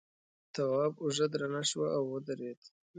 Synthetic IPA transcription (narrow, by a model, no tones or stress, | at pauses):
t̪awɑːbʊʒad̪ɾanaʃwaʔawːəd̪aɾed̪̥